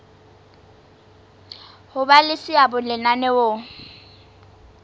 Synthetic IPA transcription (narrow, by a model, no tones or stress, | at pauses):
hʊbalɪsɪabʊlɪnanɛwʊ